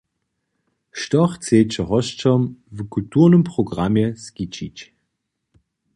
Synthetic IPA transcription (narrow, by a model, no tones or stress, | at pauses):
ʃtɔχt͡seːt͡ʃəɦɔʃt͡ʃɔmvkultuʁnəmpʁ̥ɔɡʁamjɛskit͡ʃit͡ɕ